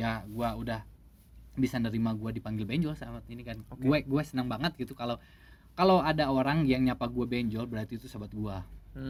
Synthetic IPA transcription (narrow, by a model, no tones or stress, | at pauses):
jaɡuaudah | bisanəɾimaɡuadipaŋɡɪlbɛɲd͡ʒɔlsabat̪inikanɡuɛɡuɛsənaŋbaŋət̪̚ɡit̪ukalaw | kalawadaoɾaŋjaŋɲapaɡuabɛɲd͡ʒɔlbəɾart̪it̪usabat̪̚ɡua